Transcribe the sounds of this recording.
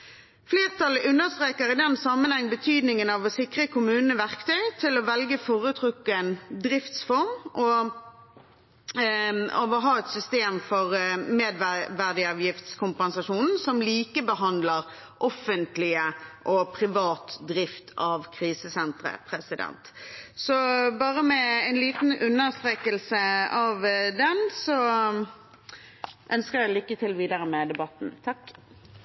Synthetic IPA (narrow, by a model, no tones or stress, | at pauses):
fleːʁt̪ʰɑlːəʔʉnːəʁst̪ʁeːkəʁɪd̪ɛnsɑmənhɛŋːbət̪ʰyːd̪nɪŋənɑʋɔsɪkʁəkʰʊmʉːnnəʋæʁkt̪ʰœʏt̪ʰɪlɔʋɛlɡəfɔːʁʉːt̪ʰʁʉkːɛnd̪ʁɪft̪sfɔʁmʔɔ | ɑʋɔɦɑːɛt̪sʏst̪eːmfɔʁmeːd̪ʋʋæʁd̪ɪɑːʋjɪft̪skʰʊmpɛnsɑʂuːnn̩sɔmliːkəbəɦɑnd̪ləʁ | ʔɔfːənt̪lɪəʔɔpʰʁɪʋɑːt̪d̪ɾɪft̪ʰɑʋkʰʁiːsəsɛnt̪ʁə̰pʰʁɛsɪd̪ɛ̰nt̪sɔbɑːʁəmɛɛɪnliːt̪n̩ʉnːəʁst̪ʁeːkəlsəɑʋd̪ɛnsɔ | ʔœnskəʁjæɪlʏkːət̪ʰɪlʋiːd̪əɾəmɛd̪ɛbɑt̪n̩t̪ʰɑkː